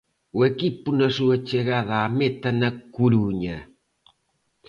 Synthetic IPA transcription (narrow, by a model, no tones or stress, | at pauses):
wekipunasuat͡ʃeɣaðamet̪anakuɾuɲa